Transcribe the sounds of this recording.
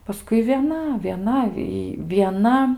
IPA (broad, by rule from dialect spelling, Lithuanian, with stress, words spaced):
pɐˈskʊɪ ʋʲiɛˈnɐ ʋʲiɛˈnɐ iː ʋʲiɛˈnɐ